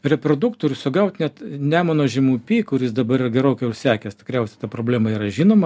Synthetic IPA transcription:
ɾʲɛpɾoːd̪ukt̪oːɾʲʊsʊɡɐʊt̪ʲnʲɛt̪nʲæːmoːnoːʒʲɛmupʲiːkʊɾʲɪsd̪ɐbɐɾɪrɐɡʲɛɾoʊkʊsʲæːkʲɛstʲɪ̥kɾʲɛʊsʲɛ̥t̪ɐpɾoːbʲlʲæːmɐiːɾɐʒʲiːnoːmɐ

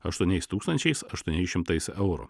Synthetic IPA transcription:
ɐʃt̪uɔnʲɛɪst̪uːkst̪ɐnʲt͡ʃʲɛɪsɐʃt̪uɔnʲɛɪʃʲɪmt̪ɐɪsɛʊɾṵ

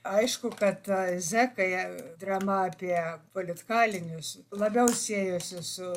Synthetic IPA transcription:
ɐɪʃkʊkɐt̪zʲæːkɐɪd̪ɾɑːmɐɐpʲiɛpoːlʲɪt̪kɑːlʲɪnʲʊslˠɐbʲɛʊsʲiːjosʲɪsʊ

